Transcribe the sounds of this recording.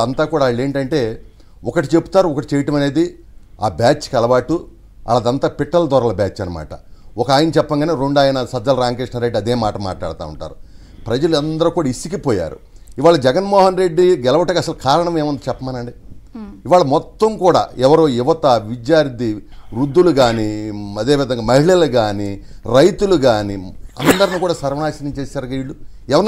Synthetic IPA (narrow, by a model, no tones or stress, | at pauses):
ɐnt̪aːkuːɽaːeːɳʈɐɳʈe̞ː | ɔkɐʈit͡ʃebu̥t̪aːɾuɔkɐʈit͡ʃɛjɐʈɐmɐne̞ːd̪i | aːbaːt͡ʃkɐlɐʋaːʈːu | ɐ̰laːd̪ɐnt̪aːpiʈːɐlɐd̪ɐːɾɐlɐbaːt͡ʃːɐnɐma̰ːʈɐ̰ɔkɐaːjɐnɐt͡ʃɛpːɐŋɡaːneːɾoɳɖaːjnɐsɐd͡ʒ̪ːɐlɾaːŋkeːʂnɐɾe̞ɖiɐd̪eːmaːʈɐma̰ːʈla̰ːɽt̪a̰ːṵɳʈa̰ːɾu | pɾɐd͡ʒɐluɐnd̪ɐɾukuːɽaisikipɔːja̰ːɾṵ | iʋaːɭɐd͡ʒɛɡɐnmɔːɦɐnɾe̞ɖːiɡɛlɐʋɐʈɐkːɐsɐlukaːɾɐɳɐmeːmɐnd̪it͡ʃɛpːɐmaːnɐɳɖiiʋaːɭɐmɔt̪ːɐmkuːɽa̰ːɛʋɐɾoːiʋɐt̪ɐʋid͡ʒjaːɾt̪iɾud̪ːuluɡaːniɐd̪e̞ːʋid̪ʱɐŋɡaːmɐɦiɭɐluɡaːni | ɾɐjt̪uluɡaːniɐ̰nd̪ɐɾɐnikuːɽaːsɐɾʋɐnaːʃɐnɐɲt͡ʃeːsaːɾɡɐiɭːu | ɛʋɐɾ